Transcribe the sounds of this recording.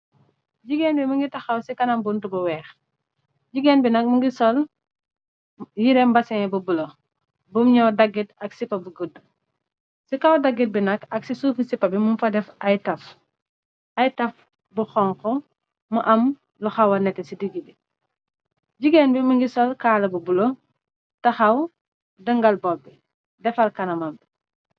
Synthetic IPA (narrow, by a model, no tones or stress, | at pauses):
ɟiɡɛːnbimuŋɡitɐxɐwsikɐnɐmbuntubɐwɛːx | ɟiɡɛːnbinɐk̚muŋɡisɔl | jiɾɛmbɐsɛŋɛbɐbulɔ | bumɲɔwdɐɡːitɐksipɐbuɡədːu | sikɐwdɐɡːit̚binɐkɐksisuːfisipːɐbimumfɐdɛfɐjtɐf | ɐjtɐf | buxɔŋkɔ | mɐʔɐm | luxɐwɐnɛtːɛsidiɡibi | ɟiɡɛnbiməŋɡisɔlkaːlɐbubulo | tɐxɐw | dəŋɡɐlbɔbi | dɛfɐlkɐnɐmɐmbi